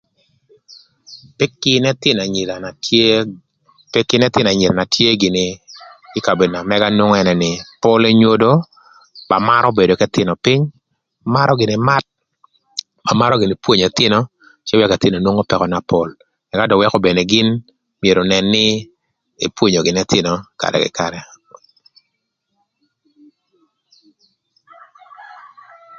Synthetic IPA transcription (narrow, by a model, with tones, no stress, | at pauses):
pkɪ˦nɛ˦t̪ɪ˦na˨ɲ˨la˨ | pkɪ˦nɛ˦t̪ɪ˦na˨ɲɪ˨la˨na˨tʰje˦ɡɪ˨nɪ˨ɪ˦ka˨be˨dna˨mɛ˦ɡa˦nʊ˦ŋ˦ɛ˦nɛ˨nɪ˨po˦le˦ɲwo˦do˦ | ba˨ma˦ɾʔɔ˦be˨do˨kɛ˦t̪ɪ˦nɔ˨pɪ˦ɲ | ma˦ɾɔ˦ɡɪ˨nɪ˨ma˦t̚ | ma˨ma˦ɾɔ˦ɡɪ˨nɪ˨pwo˦ɲa˨tɪ˦nɔ˦ | t͡ʃɛ˦wɛ˦ka˨tɪ˦no˨nwo˦ŋo˦pɛ˨kɔ˨na˨po˦l | mɛ˨ɡa˦dɔ˨wɛ˦kɔ˦be˨ne˨ɡɪ˦n | mie˨ɾo˨nɛ˨nːɪ˦ | ḛ˨pwo˦ɲo˨ɡɪ˨nɛ˦tɪ˦nɔ˨ka̰˨dɛ̰˨kɪ̰˨ka˨ɾɛ˨